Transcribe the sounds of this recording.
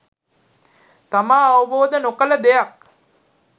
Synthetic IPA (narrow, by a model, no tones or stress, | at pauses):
t̪amaːʋəboːd̪ənokələd̪ejak̚